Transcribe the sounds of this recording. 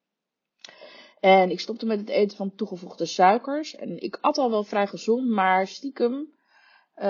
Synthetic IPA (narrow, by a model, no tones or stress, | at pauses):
ɛnɪkstɔp̚təmɛtɦətejtəvɑntuχəvuχdəsœɥkəɹsɛ̰nɪ̰kɑtɑlˠʋɛlˠfrɛjχəzɔntmaːɹstikəm